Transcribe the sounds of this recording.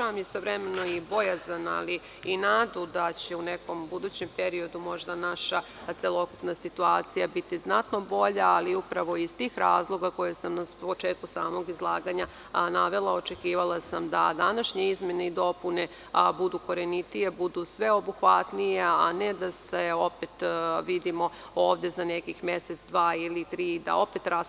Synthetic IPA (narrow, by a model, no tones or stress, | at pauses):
amist̪o̞vɾeme̞no̞ibo̞jazana̰li | inaːd̪ud̪at͡ɕe̞une̞ko̞mbud̪uːt͡ɕe̞mpeɾio̞d̪umo̞ʒd̪anaʃa | t̪se̞lˠo̞kupnasit̪uaːt̪sijabit̪iznat̪no̞bo̞ʎaːliupɾaʋo̞iz̥t̪iːxɾaːzlˠo̞ɡako̞jesamnapo̞t͡ʃe̞ːt̪̚kusaːmo̞ɡizlˠaːɡaɲa | naʋe̞lˠao̞t͡ʃe̞kiːʋalˠasamd̪a̰d̪anaʃɲeizme̞neid̪o̞pune̞ | bud̪uko̞ɾenit̪ije̞bud̪usʋe̞o̞buxʋat̪nijeaned̪aseo̞pet̪ʋid̪imo̞ | oːʋd̪e̞zanekixmje̞set̪sd̪ʋaːilit̪ɾiːd̪a̰o̞pet̪ɾas